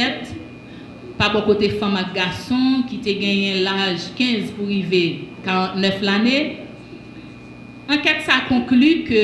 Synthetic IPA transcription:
ɛt | pabɔkotefɐ̃mak̚ɡasɔ̃kiteɡɛ̃jɛ̃laʒkɛ̃zpuʁivekaʁãtnœflane | ɐ̃kɛtsaːkɔ̃klykø

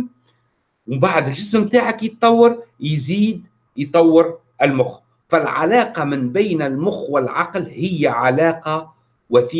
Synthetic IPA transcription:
wmbaʕd̪ɪlʒɪsmmt̪aːʕakjət̪ˤːɑwːəɾjziːd̪ | jt̪ˤɑwːəɾ | ɪlmʊx | fælʕa̰lɑːqɑmɪnbæjnɪlmʊxwɪlʕɑqlhɪjːæʕalɑːqɑ | wæθiː

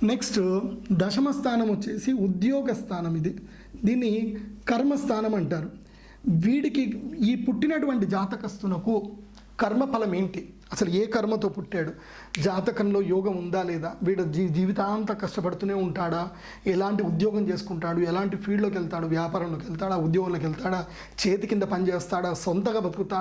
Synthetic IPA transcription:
ne̞ksʈd̪ɐʃɐmɐst̪ʰaːnɐmot͡ʃːe̞ːsiud̪jɔːɡɐst̪ʰaːnɐmid̪i | d̪iːnːikɐɾmɐst̪ʰaːnɐmɐɳʈaːɾu | ʋiːɽikiiːpuʈːinɐʈuʋɐɳʈid͡ʒaːt̪ɐkɐst̪unɐku | kɐɾmɐpɐlɐmeːɳʈi | ɐsɐlueːkɐɾmɐt̪o̞ːpuʈːaːɽu | d͡ʒaːt̪ɐkɐnlo̞ːjɔːɡɐmund̪aːlɛːd̪aːʋiːɽɐd͡ʒid͡ʒiːʋit̪aːɐnt̪ɐkɐʂʈɐpɐɽut̪uːne̞ːuɳʈaːɽaː | ɛlaːɳʈiud̪jɔːɡɐmt͡ʃeːsu̥kuɳʈaːɽuɛlaːɳʈipʰiːɖloːk̬ɛlt̪aːɽuʋjaːpaːɾɐnlo̞ːkɛlt̪aːɽaːud̪jɔːɡɐnlɐk̬ɛlt̪aːɽaː | t͡ʃe̞ːt̪ikind̪ɐpɐnit͡ʃeːst̪aːɽaːsont̪ɐɡaːbɐd̪uɾut̪aː

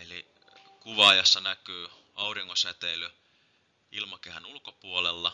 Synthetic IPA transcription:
eli | kuʋɑːjɑsːɑnækyː | ɑuriŋːoset̪ely | ilmɑkehænulkopuolelːɑ

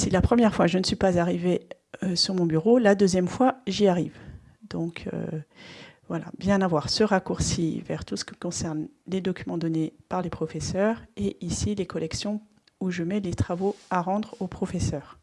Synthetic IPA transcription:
silapχəmjɛʁfwaʒənəsɥipazaʁive | øsyʁmɔ̃byʁolad̪øzjɛmfwaʒiaʁiv | d̪̥ɔ̃kʰø̰ | vwala̰bjɛ̃navwaʁsəʁakuʁsivɛ̰ʁt̪usə̥kʲiməkɔ̃sɛʁnled̪ɔkʲymɑ̃d̪ɔnepaʁlepχɔfɛsœːʁeʔisilekɔlɛksjɔ̃ | uʒəmɛlet̪χavoaʁɑ̃d̪ʁopχɔfɛsœːʁ

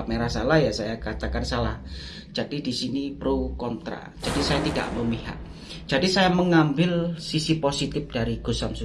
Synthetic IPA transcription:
meɾasalahjasajakat̪akansalah | d͡ʒadidisinipɾukɔnt̪ɾa̰ | d͡ʒ̥adisajat̪ida̰ʔməmiɦa̰ʔ̚ | d͡ʒ̥adisajaməŋambɪlsisiposit̪ɪp̚d̥aɾiɡ̥osamsu

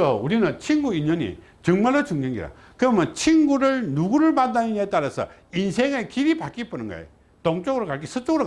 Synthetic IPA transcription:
ʌuɾinɯnt͡ɕʰinɡuiɲʌɲḭ | t͡ɕɯŋmaɭːot͡ɕuŋɡeŋɡḭɾa̰ | kɯʌmʌnt͡ɕʰinɡuɾɯɭnuɡuɾɯɭmandaniɲet͈aɾasʰʌ̰insʰeŋekiɾipak͈ip͈unɯnɡa̰ḛ | toŋt͡ɕ͈oɡɯɾokaɭk̬͈isʰɯt͡ɕ͈oɡɯɾo

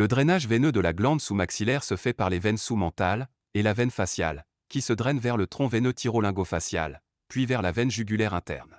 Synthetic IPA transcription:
ləd̪ʁɛnaʒvɛnød̪əlaɡlɑ̃d̪sumaksilɛʁsəfɛpaʁlevɛnsumɑ̃t̪al | elavɛnfasja̰l | kʲisəd̪ʁɛnvɛʁlət̪χɔ̃vɛnøt̪ʰiʁɔlɛ̃ɡofasja̰l | pɥivɛʁlavɛnʒyɡʲylɛʁɛ̃t̪ɛ̰ʁn

